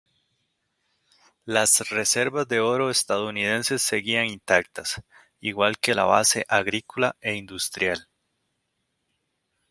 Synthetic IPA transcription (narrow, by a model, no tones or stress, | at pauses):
lasre̞se̞ɾβazd̪e̞o̞ɾo̞est̪aðouniðe̞nse̞sːe̞ɣiaŋint̪akt̪as | iɣwalke̞la̰βa̰se̞ʔaɣɾikolae̞ind̪ust̪ɾʔjal